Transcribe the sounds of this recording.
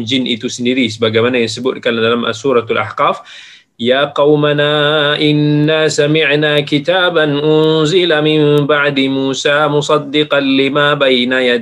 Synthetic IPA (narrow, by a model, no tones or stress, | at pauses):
d͡ʒɪnʔit̪usnid̪iːsbaɡamanajsbulkalːanalamʔa̰suːɾˤɑlʔa̰ħqɑːf | jaːqɑwmanaʔɪnːasamɪʕnakɪt̪aːbanʔʊnzɪlamɪmbaʕd̪imuːsaːmʊsˤɑd̪ːɪqɑlɪmaːbajnajad̪